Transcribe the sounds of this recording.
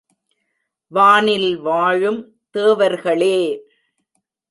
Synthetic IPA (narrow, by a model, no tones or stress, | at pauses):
ʋaːnɪlʋaːɻɯm | t̪eːʋɐɾɣɐɭeː